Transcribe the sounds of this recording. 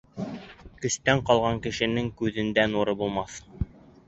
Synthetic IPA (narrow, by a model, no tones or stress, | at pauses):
kɵ̆ʃt̪æɴqɑlˠʁɑŋkɘ̆ʃɘ̆nɘŋkʉðɘ̆nd̪ænuɾɤbulˠmɑθ